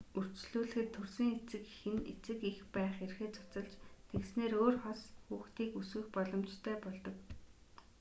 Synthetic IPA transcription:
ur̥t͡ɕɮuːɮɘ̆xɘ̆t̪ʰːɵrsiːŋet͡sɘ̆kxɘ̆net͡sɘ̆kixpæːχerxeːt͡sʰʊ̥t͡sə̆ɮt͡ɕt̪ʰeksneːɾoːrχɔsxuːxt̪iːkuswɘ̆xpɔɮɞ̆mt͡ɕt̪ʰœːpɔɮt̪ɞ̆k

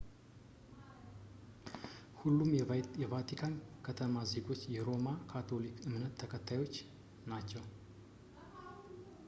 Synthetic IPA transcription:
hulːumjɛvat̪ʰikʰankʰət̪ʰəmaze̞ɡo̞t͡ʃːjɛɾo̞makʰat̪ʰo̞likɨmnət̪ʰːəkʰət̪ʰːajo̞t͡ʃː | nat͡ʃːɛw

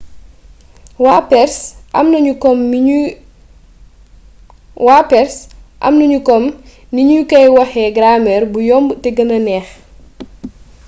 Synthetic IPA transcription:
wapɛrsʔɐmnɐɲukɔm | waːpɛɾsʔɐ̰mnuɲukɔm | niɲukɐjwɐxɛɡɾamɛrbujɔmbtɛɡɐnɐnɛːx

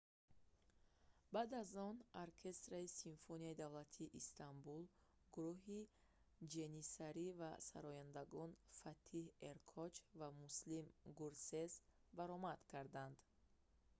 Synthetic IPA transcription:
bad̪azɔnoɾkʰe̞st̪ɾaisiɱfoniaid̪avlat̪ʰiːʔist̪ʰambul | ɡuɾuɦi | d͡ʒe̞nisaɾivasa̰ɾɔjand̪aɡɔnfat̪ʰiheɾkʰɔt͡ʃvamuslimɡuɾsezbaɾɔmad̪̥kʰaɾd̪and̪

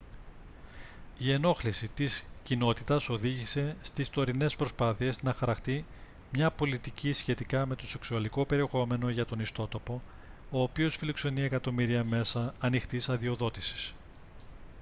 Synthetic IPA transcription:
ie̞no̞xlisit̪iscino̞t̪it̪ɐso̞ðiʝise̞st̪ist̪o̞ɾine̞spɾo̞spɐθie̞znɐxɐɾɐxt̪i | mɲɐpo̞lit̪icisçe̞t̪ikɐme̞t̪o̞se̞ksuɐliko̞pe̞ɾie̞xo̞me̞no̞ʝɐt̪o̞nist̪o̞t̪o̞po̞ | o̞ːpio̞sfilo̞kse̞niekɐt̪o̞miɾiɐme̞sɐːnixt̪isɐðio̞ðo̞t̪isi̥s

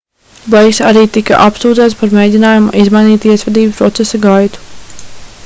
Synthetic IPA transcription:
bajksaɾiːt̪ika̰ʔapsuːd̪zaːt̪spaɾmejd̪ʲinaːjumuʔizmajniːt̪iɛsʋɛd̪iːbpɾɔt̪sesaɡajt̪u̥

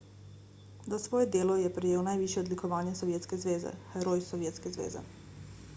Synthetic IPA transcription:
zasʋɔːjɛd̪eːlɔjɛpɾɛjeːwnajʋiːʃjɛɔd̪likɔʋaːnjɛsɔʋjeːt̪skɛzʋeːzɛ̰xɛɾojsɔʋjeːt̪skɛzʋḛːzɛ̰

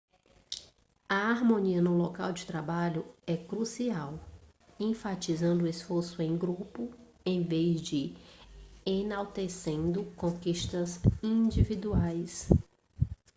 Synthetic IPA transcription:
ɐaɾmõniɐnʊloka̰wd͡ʒɪt̪ɾabaʎʊɛkɾusiaw | ẽfat͡ʃizɐ̃nd̪ʊesfoɾsʊẽj̃ɡɾupʊ | ẽj̃vezd͡ʒɪ | enawt̪esẽnd̪ʊkõkiʃt̪ɐzĩd͡ʒivid̪uajs

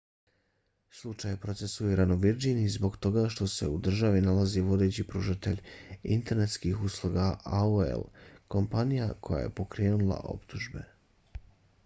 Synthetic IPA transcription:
slˠut͡ʃajepɾo̞t̪se̞suiɾanoʋiɾd͡ʑinizbo̞ɡt̪o̞ɡaʃt̪o̞se̞̰ud̪r̩ʒaʋinalaziʋo̞d̪e̞t͡ɕipɾuːʒat̪e̞ʎʲḭnt̪e̞ɾne̞t̪skixuslˠuɡaaoḛlko̞mpanijakʰo̞ja̰je̞̰po̞kɾe̞ːnulˠa̰ʔo̞̰pt̪uʒbe̞̰

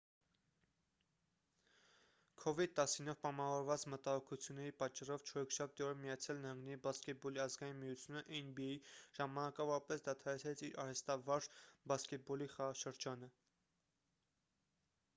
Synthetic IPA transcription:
kʰɔvid̪̚t̪ɑsinɔvpɑmɑvɔɾvɑt͡smət̪ɑhɔkʰut͡sʰjunːɛɾipɑt͡ʃːɑrɔvt͡ʃʰɔɾɔkʰʃɑp̚ʰt̪iɔɾəmijɑt͡sʰjɑlnəhɑŋɡnɛɾibɑskɛt̪̚bɔliɑzɡɑjinmijut͡sʰjunəʔɛnbiɛjiʒ̥ɑmɑnɑkɑvɔɾɑpɛsd̪ɑt̪ʰɑɾɛt͡sʰɾɛt͡sʰiɾʔɑɾɛst̪ɑvɑɾʒbɑskɛt̪̚bɔliχɑʁɑʃəɾd͡ʒɑnə

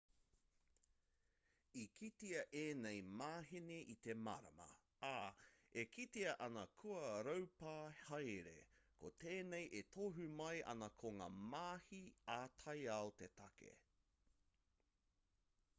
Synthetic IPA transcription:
ikʰit̪iɐʔeːnejmaːɦeneʔit̪e̞maɾɐ̰mɐ̰ | aekʰitiɐʔɐnɐkʰuɐɾɐwpaːhɐjɾḛkʰoteːnejʔet̪ʰoɦʉmɐjʔɐ̰nɐkʰoŋa̰ːmaːhiaːt̪ʰɐjaot̪etɐkʰḛ

